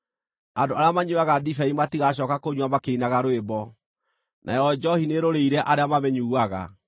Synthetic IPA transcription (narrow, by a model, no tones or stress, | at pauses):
andoaɾeamaɲuaɣadifɛimatiɣaɕ̬ɔkakoɲwamakeinaɣaɾoebɔ | nʔa̰jɔd͡ʒɔhineɾoɾeiɾɛʔaɾeamamɛɲuaɣa̰